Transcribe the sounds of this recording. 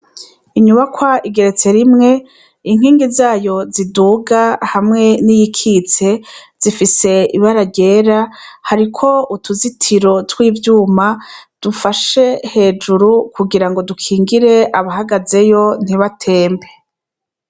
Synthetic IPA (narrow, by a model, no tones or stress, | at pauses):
iɲuβakwaʔiɡe̞ɾet͡se̞ɾimŋe̞ | iŋɦiːŋɡizaːjo̞ziduːɡahamŋe̞nijikʰit͡se̞z̥ifise̞iβaɾaɾɟe̞ːɾahaɾikʰo̞utʰuzitʰiɾo̞twiːvjuːmad̥ufaʃe̞he̞ːd͡ʒuɾukuɡiɾaŋɡo̞dukʰiːŋɡiɾe̞ʔaβaɦaɡaze̞jo̞n̥iβatʰe̞ːmbe̞